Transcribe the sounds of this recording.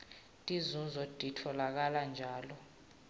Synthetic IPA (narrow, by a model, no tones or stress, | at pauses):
tʼizuzɔd̥ʱʼitʰɔlak̬aland͡ʒʱaːlɔ